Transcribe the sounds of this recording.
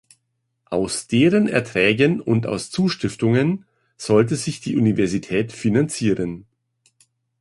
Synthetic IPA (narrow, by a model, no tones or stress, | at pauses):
ʔaʊsd̥eːʁənɛ̰ɐtʁ̥ɛːɡənʊnta̰ʊst͡suːʃtɪftʊŋən | z̥ɔlt̬əzɪçd̥iːʔunivɛɐzitʰɛːtfinant͡siːʁən